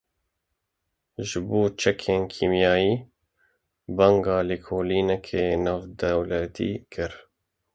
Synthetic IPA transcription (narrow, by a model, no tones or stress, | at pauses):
ʒɨboːt͡ʃʰɛkʰeːnkʰiːmjɑːjiː | bɑŋɡɑːliːkʰoːliːnɛkʰeːnɑːvd̪ɛwlɛt̪ʰḭːkʰɨɾ